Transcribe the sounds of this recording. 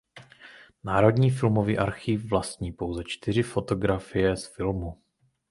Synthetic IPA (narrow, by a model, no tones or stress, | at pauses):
naːɾo̞dɲiːf̬ɪlmo̞viːʔaɾxiːfvlast̪ɲiːpo̞wzɛt͡ʃt̪ɪr̝ɪfo̞t̪o̞ɡɾafɪjɛsfɪlmu